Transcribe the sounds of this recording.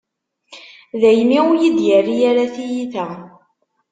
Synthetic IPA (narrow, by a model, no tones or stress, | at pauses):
ðæjmiujid̪jərːijaɾaθijiθæ